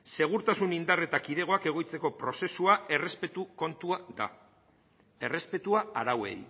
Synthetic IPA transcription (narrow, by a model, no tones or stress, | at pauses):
se̞ɣ̞uɾt̪asunind̪are̞t̪akiðe̞ɣ̞o̞ake̞ɣ̞o̞jt͡se̞ko̞pɾo̞se̞suae̞re̞spe̞t̪uko̞nt̪uaða̰ | e̞re̞spe̞t̪uaaɾawe̞̰j